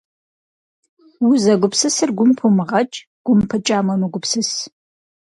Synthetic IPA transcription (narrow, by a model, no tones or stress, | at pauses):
wʊzɐɡʷʊpsɨsɨrɡʷʊmpʰumɨʁɐt͡ʃʼ | ɡ̥ʷʊmpʰɨt͡ʃʼaːmɐmɨɡʷʊpsɨs